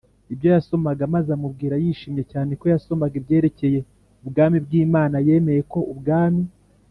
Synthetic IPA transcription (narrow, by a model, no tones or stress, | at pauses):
ibjo̞jaso̞maɡamazamub̚ɡiːɾajiʃiːmje̞caːne̞ko̞jaso̞maɡibje̞ːɾe̞ce̞je̞ | ubɡaːmibɡiːmaːnaje̞ːme̞je̞ko̞ubɡaːmi